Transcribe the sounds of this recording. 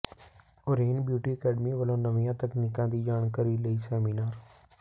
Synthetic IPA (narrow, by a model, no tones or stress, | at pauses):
oːɾeːnbjuːʈiːəkɛːɖmiːʋəlõːnəʋɪjãːt̪əkniːkãːd̪iːd͡ʒaːɳkəɾiːləiːsɛːmiːnaːɾ